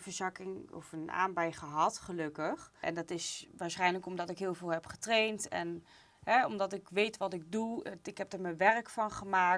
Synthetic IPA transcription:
vəɹzɑkɪŋɔ̰fəna̰ːmbɛjχəɦɑtχəlɵkəχʔɛ̰ndɑtɪsʋaːɹsχɛjnləkɔmdɑtɪkɦɪːlˠvɪːlˠɦɛpχə̥trejntɛ̰n | ɦɛɔmdɑtɪkʋejtʋɑtɪɡ̚duɪkɦɛp̚dəɹməʋɛrkfɑnχəmaːk̚

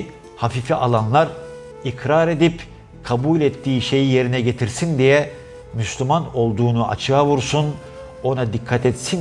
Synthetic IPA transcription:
hafifiʔalˠanlˠaɾ | ikʰɾaɾed̪ip | kʰabuːlʲɛt̪ːiːʃe̞jije̞ɾinɛɟe̞t̪ʰiɾsind̪ijɛ | myslʲymano̞lˠd̪uːnuʔa̰t͡ʃʰɯjavuɾsun | o̞nad̪ikʰːat̪ʰɛt̪sin

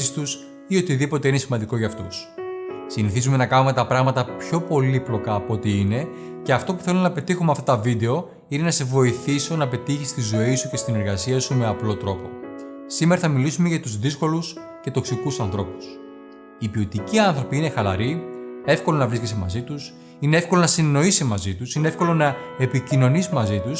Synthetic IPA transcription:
ist̪us | io̞t̪iðipo̞t̪e̞inesimɐnd̪iko̞ʝɐft̪ussiniθizume̞nɐkɐnume̞t̪ɐpɾɐɣmɐt̪ɐpço̞po̞liplo̞kɐːpo̞t̪iine̞ | ce̞ɐft̪o̞pu̥θe̞lunɐpe̞t̪ixumeɐft̪ɐt̪ɐvid̪e̞o̞ | ine̞nɐse̞vo̞iθiso̞nɐpe̞t̪içist̪izo̞isuce̞st̪ine̞ɾɣɐsiɐsume̞ɐplo̞t̪ɾo̞po̞̰ | sime̞ɾɐθɐmilisume̞ʝɐt̪uzðisko̞lus | ce̞t̪o̞ksikusɐnθɾo̞pu̥s | ipio̞t̪iciɐnθɾo̞piine̞xɐlɐ̰ɾie̞fko̞lo̞nɐvɾiskesemɐ̰zit̪us | ine̞efko̞lonɐsinno̞isimɐzit̪usine̞efko̞lo̞nɐepicino̞nisomɐzit̪us

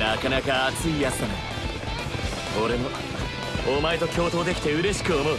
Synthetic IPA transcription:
nakanakaːt͡sɨijat͡sɨ̥nano | koɾe̞mo̞ | omaet̪o̞kʲʰo̞ːt̪o̞ːd̪e̞kʲi̥t̪e̞ɯ̟ɾe̞ɕi̥kɯ̟o̞mo̞ɯ̟

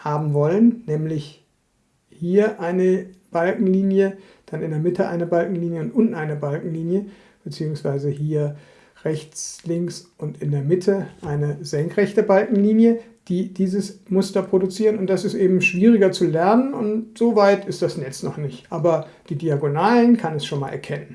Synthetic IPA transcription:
haːbm̩vɔlənːɛːmlɪç | hiːɐʔaɪnəb̥alkŋ̩liːnjə | d̥anɪndeːɐmɪtʰəʔa̰ɪnəbalkŋ̩liːnjəʊntʔʊntn̩aɪnəbalkŋ̩liːnjə | b̥ət͡siːʊŋsv̥aɪzəhiːɐ | ʁɛçt͡slɪŋksʊntɪndeːɐmɪtʰəʔaɪnəzɛŋkʁ̥ɛçtəbalkŋ̩liːnjə | d̥iːd̥iːzəsmʊstɐpʁ̥odut͡siːʁənʊnt̚d̥asɪstʔeːbm̩ʃv̥iːʁɪɡɐt͡sulɛɐnənʊntz̥oːvaɪtʰɪstd̥asnɛt͡snɔχnɪçtʔaːbɐ | d̥iːdiaɡonaːlənkʰanɛsʃoːnmaːlʔɛɐkʰɛnən

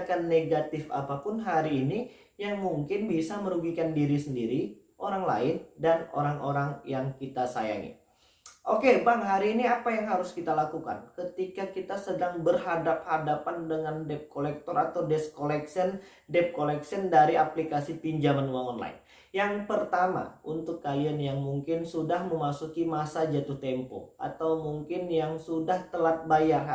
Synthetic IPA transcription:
kanːeɡat̪ɪfa̰papʊnɦaɾiːni | jaŋmuŋkɪnbisaməɾuɡikandiɾisəndiɾi | ʔoɾaŋla̰ɪndano̰ɾaŋoɾaŋjaŋkit̪asa̰ja̰ŋḭ | ʔokebaŋɦaɾiːniapajaŋɦaɾʊskit̪alakuka̰nkət̪ikakit̪asədaŋbərɦadap̚hadapandəŋandɛp̚kolɛk̚t̪ɔɾat̪awdɛskolɛksən | dɛp̚kolɛksiəndaɾiaplikasipiɲd͡ʒamanwaŋɔnla̰ɪ̰n | jaŋpərt̪ama̰unt̪ʊkːalianjaŋmuŋkɪnsudahməmasukimasad͡ʒat̪ʊht̪ɛmpɔ̰ʔa̰t̪awmuŋkɪnjaŋsudaht̪əlat̪̚bajar

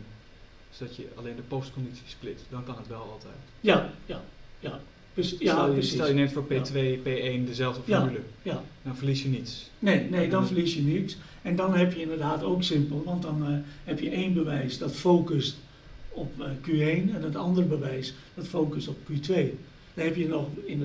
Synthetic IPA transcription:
sodɔtjə̰a̰leːndəpɔstkondit͡sjisplɪtdɔnkɑnɦətʋɛlˠɔ̰lˠtʰɛ̰jt | jajaja | psjaəsitɛljənɛtfoːpetʋepeeːndəzɛlˠvdəfadyləjadɔnfəlisjənitsneːnedɔnfərlisjənits | ɛndɔnɦɛpjəɪndərdaːtoːksɪmpəlˠʋɔnt̚dɔnhɛpjəʔeːnbəʋɛjsdɔtfoːkəst | ɔpkyeːnɛndɔtɑndərbəʋɛjs | d̥ɔtfoːkəstɔp̚kytʋeː | d̥ɔnɦɛpjənɔxɪnə

